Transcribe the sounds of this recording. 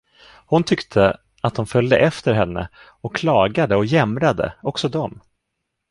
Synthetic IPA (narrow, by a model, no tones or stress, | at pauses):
hʊnt̪ʰʏkt̪ʰə | at̪̚d̪ʊmfœld̪əʔɛft̪əɾɦɛnːə̰ | ɔkːʰlɑːɡad̪əɔjɛmɾad̪ə̰ɔksɔd̪ɔm